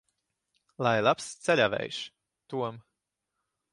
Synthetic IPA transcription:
lˠajlˠapst̪sɛlʲavɛ̰jʃ | t̪uɔm

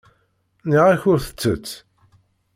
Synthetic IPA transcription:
niʁæçʊɾθə̥t͡sːə̰t͡sː

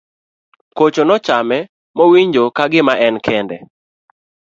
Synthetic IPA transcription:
kot͡ʃonɔt͡ʃamɛ | mowiɲd͡ʒokaɡɪmaʔɛnkʰɛndɛ̰

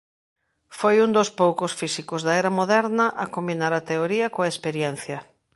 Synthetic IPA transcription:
fojund̪ospowkosfisikozðɐɛɾɐmoðɛɾnɐʔɐkombinaɾɐt̪eoɾiɐkoɐespeɾjɛn̟θjɐ

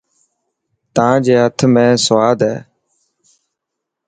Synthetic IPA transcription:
t̪ãːd͡ʒeːɦət̪ʰmẽːsʋaːd̪ɦɛː

